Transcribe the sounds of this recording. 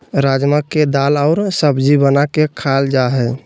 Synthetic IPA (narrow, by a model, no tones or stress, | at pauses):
ɾad͡ʒməkːed̪alaʊɾsəbd͡ʒibənakekʰald͡ʒaɦɛ